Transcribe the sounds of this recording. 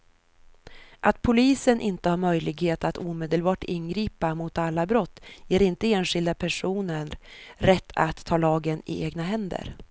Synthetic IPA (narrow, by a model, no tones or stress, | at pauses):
ʔat̪̚pʰʊliːsənʔɪnt̪əhaːɾmœjlɪɡheːt̪at̪uːmeːd̪əlbɑːʈɪnɡɾiːpamʊt̪alːabɾɔt̪ːjeːɾɪnt̪əeːnɧɪld̪apʰæʂuːnəɳɾɛt̪ʰːa̰t̪ʰːɑːlɑːɡənɪ̰ʔeːɡnaɦɛnd̪ə̰ɾ